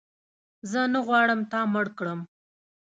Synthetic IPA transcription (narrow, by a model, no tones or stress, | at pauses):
zənaɣwɑɽəmt̪ɑməɽkɽəm